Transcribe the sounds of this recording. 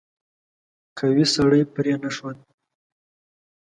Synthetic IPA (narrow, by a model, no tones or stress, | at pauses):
kʰawisaɽəjpɾenaʂwan